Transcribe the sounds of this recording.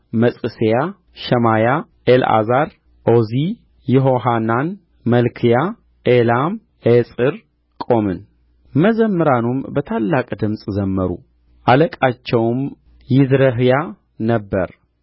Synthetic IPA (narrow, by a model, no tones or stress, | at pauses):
məsʼɨseja | ʃəmaja | ʔela̰zaɾ | ʔozi | jɛɦoɦanan | məlkʰija | ʔelam | ʔesʼɨɾ | kʼo̞mɨn | məzəmːɨɾanumbət̪ʰalːakʼd̪ɨmsʼzəmːəɾṵ | ʔaləkʼat͡ʃːɛwm | jɪd̪ɾəɦja | nəbːə̰ɾ